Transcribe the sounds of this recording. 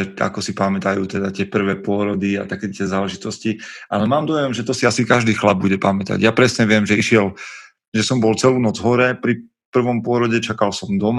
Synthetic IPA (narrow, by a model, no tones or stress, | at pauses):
ɛa̰kɔsipamɛt̪ajuːt̪ɛd̪at̪ɪɛpr̩ʋɛːpʊɔɾɔd̪ia̰t̪akɛt̪ɪɛzaːlɛʒit̪ɔsciʔalɛmaːmd̪ɔjɛmʒɛt̪ɔsiasikaʒd̪iːxlab̚buɟɛpamɛt̪a̰ɟjapɾɛsɲɛʋɪɛmʒɛiʃɪɛl | ʒɛsɔmbɔlt͡sɛluːnɔd͡zɦɔɾɛpɾi | pr̩ʋɔmpʊɔɾɔɟɛt͡ʃakalsɔmd̪ɔm